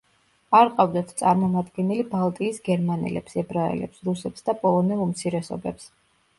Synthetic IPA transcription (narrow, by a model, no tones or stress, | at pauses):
aɾqʼavd̪at̪ʰt̪sʼaɾmɔmad̪ɡɛnɛlibalˠt̪ʼiːsɡɛɾmanɛ̰lɛ̰psɛbɾaɛ̰lɛ̰psɾusɛp̪sd̪apʼɔlˠɔnɛumt̪sʰiɾɛsɔ̰bɛps